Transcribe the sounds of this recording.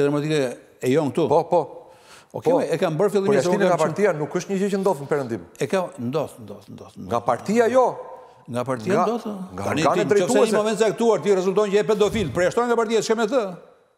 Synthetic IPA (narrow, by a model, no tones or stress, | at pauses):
ɛd̪ɾamat̪̬ikɛ | ɛjɔŋ̚t̪upɔpɔ | ɔ̰kɛɛɛkambəɾfilˠimisiɡapaɾt̪ianukəʃt̪ɲəʒit͡ʃənd̪ɔθnəpɛɾənd̪imɛkamnd̪ɔθnd̪ɔθnd̪ɔθnd̪ɡapaɾt̪iajɔ | ŋɡapaɾt̪iad̪ɔθŋɡat̪anianmɾɛɔfd̪sɛmɔmɛnt̪szɛak̚t̪uaɾt̪irɛzulʲˠt̪ɔ̃ɲt͡ʃɛpɛnd̪ɔfilpɾjaʃt̪ɔŋɡapaɾt̪iaʃkɛmɛt̪ə